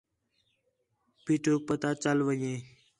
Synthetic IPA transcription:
piːʈʰoːk̚pət̪aːt͡ʃəlʋəjẽː

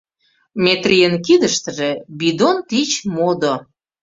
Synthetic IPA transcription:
mʲet̪rʲijənkid̪əʃt̪ə̆ʒĕbid̪ont̪it͡ɕmod̪o

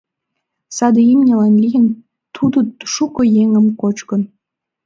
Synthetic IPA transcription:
sɑd̪əimnʲelɑnlʲijən | t̪ʰud̪oʃukojeŋəmkot͡ɕkən

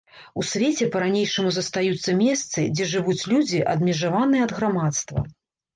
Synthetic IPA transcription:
usʲvʲet͡sʲɛpɐɾanʲejʂɨmuzɐst̪ajut̪sːɐmʲɛst̪sɨd͡zʲɛʐɨvut͡sʲlʲud͡zʲiʔɐ̰d̪mʲɛʐavanɨjɛɐd̪ɣɾamat̪st̪vɐ̰

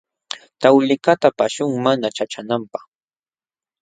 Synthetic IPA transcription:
t̪awlɪkat̪apaʃʊŋmanat͡ʃat͡ʃanampaχ

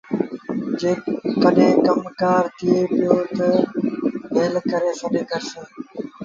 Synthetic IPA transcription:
d͡ʒeːkəɗẽːkəmkaːɾt̪ɪjeːpɪjoːt̪ə | ɦeːlkəɾeːsəɗeːkəɾsə̃ː

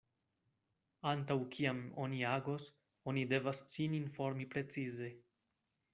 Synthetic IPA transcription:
antawkʰiamo̞̰niaɡos | o̞nide̞vassininfo̞ɾmipɾe̞t͡size̞

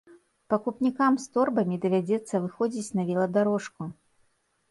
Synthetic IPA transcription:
pɐkupnʲikamst̪ɔrbɐmʲid̪ɐvʲad͡zʲɛt̪sːɐvɨxɔd͡zʲit͡sʲnɐvʲilˠɐd̪aɾɔʂku

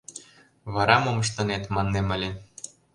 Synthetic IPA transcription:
βɑɾɑmomɤ̆ʃ̬t̪ɤ̆net̪mɑnːemɘ̆lʲen

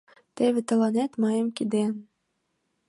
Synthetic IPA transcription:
t̪eβʲĕt̪ɤ̆lɑnet̪mɑjɤ̆mkid̪en

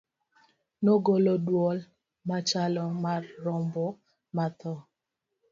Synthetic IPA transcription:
noɡolɔdwɔl | mat͡ʃalɔmarːɔmbɔ | mat̪ɔ

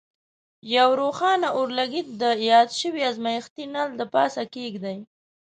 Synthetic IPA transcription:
jawɾoxɑnaʔoɾlaɡit̪̚d̪əjɑd̪ʃəwiazmajɪxt̪inald̪əpɑ̰sakeɡd̪aj

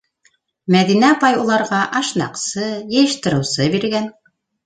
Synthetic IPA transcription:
mæðinæpɑjulˠɑɾʁɑʔɑʃnɑ̰qsɤjɘ̆jɘ̆ʃt̪ɘ̆ɾɘ̆wsɤbiɾɡæn

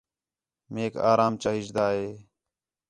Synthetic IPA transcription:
meːka̰ːɾaːmt͡ʃaːɦɪd͡ʒd̪aːɦeː

